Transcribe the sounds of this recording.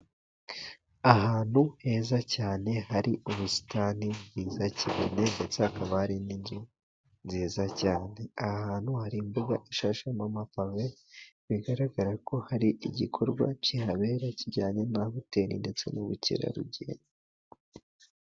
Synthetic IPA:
aɦaːn̥huhe̞ːzacaːne̞haɾiʔuβusi̥taːnibɡiːzaciβḭne̞nde̞t͡seakaβahaɾinind͡ʒi | nziːzacaːne̞ahaːn̥huhaɾimbuɡaʔiʃaʃamamapaβe | βiɡaɾaɡaɾako̞haɾiʔiɟikʰo̞ɾɡwa̰cihaβe̞ːɾaciɟaːɲe̞naβute̞ːnḭnde̞t͡se̞̰nuβucḭɾa̰ɾṵɟḛːɲa

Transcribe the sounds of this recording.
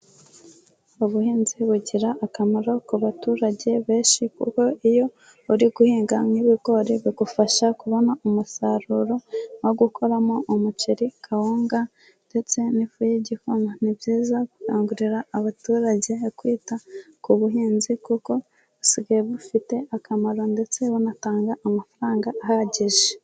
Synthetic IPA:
uβuhiːnziβuɟiɾaʔːkameɾo̞kuβatuːɾaɟe̞βe̞ːʃikṵko̞ʔijo̞ | uɾiɡuhiːŋɡamŋiβiɡo̞ɾiβiɡufaʃakuβo̞naumusaɾuɾo̞woɡukʰo̞ɾamo̞ʔumut͡ʃiɾikʰawoːŋɡa | nde̞t͡se̞nifujiɟihunonibɟiːzaku̥kaːŋɡuɾiɾaːβatuːɾaɟe̞kwiːtakuβuɦiːnzikuko̞ | siɡajeβufite̞ʔakʰamaɾo̞nde̞t͡se̞wonataːŋɡaʔːmafaɾaːŋɡaːhaɟeʒe

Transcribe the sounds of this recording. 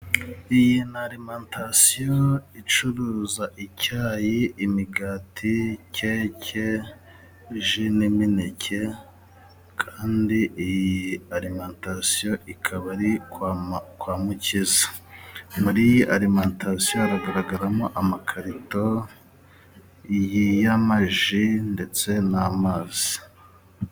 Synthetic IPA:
ijinaɾimaːntʰasijoit͡ʃuɾuːzaʔicʰaːjiʔːmiɡaːtʰiceːcʰe | ʒiniminecʰe | kʰaːndiʔijiaɾimaːntasijo̞ʔikʰaβaɾi | kwaːmucizḁ | muɾijiʔaɾimaːntasijoaɾaɡaɾaɡaɾamoʔamakʰaɾito̞ | ijijamaʒinde̞t͡se̞namaːz̥i

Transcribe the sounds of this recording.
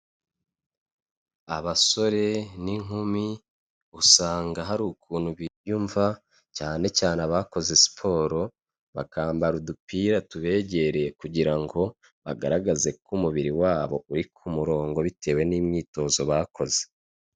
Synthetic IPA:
aβaso̞ɾe̞niŋumi | usaːŋɡaɦaɾuːkʰuːnhuβiɾjuɱva | caːne̞t͡ʃaːneaβaːko̞ze̞si̥pʰo̞ːɾo̞ | βakaːmbaɾudupiːɾatuβe̞ːɟe̞ɾe̞kuɟiɾaŋɡo̞ | βa̰ɡa̰ɾaɡaze̞kʰumuβiɾiwaːβo̞uɾikʰumuɾo̞ːŋɡo̞βitʰe̞ːwe̞niːmɲiːto̞ːzo̞βaːko̞ze̥

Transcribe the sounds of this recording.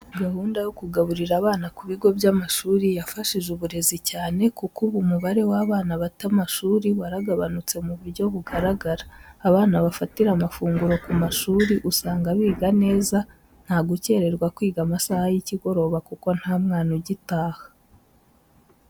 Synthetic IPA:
ɡahuːndajokuɡaβuɾiɾaβaːnakuβiɡo̞bjamaʃuːɾijafaʃiʒuβuɾe̞zicaːne̞kukuβumuβaɾe̞waβaːnaβatamaʃuːɾiwaɾaɡaβanut͡se̞muβuɾɟo̞βuɡaɾaɡaɾaːβaːnaβafatiɾamafuːŋɡuɾo̞kumaʃuːɾiʔusaːŋɡaβiːɡane̞ːza | n̥haɡuce̞ːɾe̞ɾɡwakwiːɡamasahajiciɡo̞ɾo̞ːβakuko̞n̥hamŋaːnoɟitaːhḁ

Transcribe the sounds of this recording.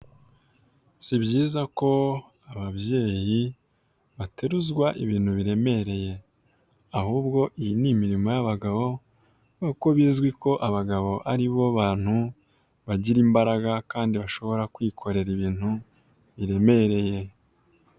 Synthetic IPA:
sibɟiːzako̞ | aβabje̞ːji | βate̞ɾuzɡwaʔiβiːn̥huβiɾe̞me̞ɾe̞je̞ | ahuːbɡo̞ʔijinimiɾimo̞jaβaɡaβo̞ | noko̞βiːzɡwiko̞ʔaβaɡaβo̞ʔaɾiβo̞βaːn̥hu | βaɟiɾimbaɾaɡakaːndiβaʃo̞βo̞ɾakwiːkʰo̞ɾe̞ɾiβiːn̥hu | βiɾe̞me̞ɾe̞je̞

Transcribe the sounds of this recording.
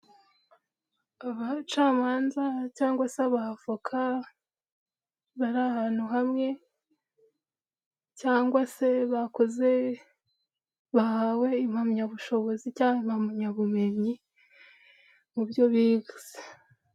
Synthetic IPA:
aβat͡ʃaːmaːnzacaːŋɡwaseaβahafakʰa | βaɾahaːn̥huɦamŋe̞ | caːŋɡwase̞βako̞ze̞ | βahawe̞imhamɲaβuʃo̞βo̞zicaːhemhamɲaβume̞ɲi | mubjo̞βiɡuz̥e̥

